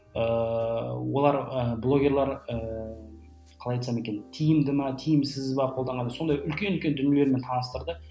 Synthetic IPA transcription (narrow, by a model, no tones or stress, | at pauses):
ə | wo̞lˠɑɾəblˠo̞ɡʲe̞ɾlˠɑɾə | qʰɑlˠɑjt̪sɑme̞kʲe̞nt̪ʰijɪmd̪ɪmɑt̪ʰijɪmsɪzbɑqʰold̪ɑɴʁɑnso̞nd̪ɑjʏlkʲeʏlkʲe̞nd̪ʏnijeleɾme̞nt̪ʰɑnəst̪əɾd̪ə